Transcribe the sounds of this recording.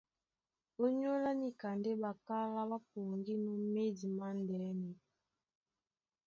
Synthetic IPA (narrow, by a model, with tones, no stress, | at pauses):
o˦ɲo˦la˦ni˨ka˨nde˦ba˨ka˦la˦ba˦po˨ŋɡi˦nɔ˦me˦di˨ma˦ndɛ˨˦ni˨